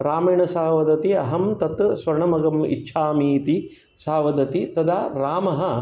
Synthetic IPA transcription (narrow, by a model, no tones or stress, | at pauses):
ɾaːmɐjɳɐsaːʋɐd̪ɐt̪iɐ̰ɦɐmt̪ɐt̪sʋɐɾɐɳɐmɐɡɐmḭtːʃʰaːmiːt̪i | saːʋɐd̪ɐt̪it̪ɐd̪aːɾaːmɐɦɐ̆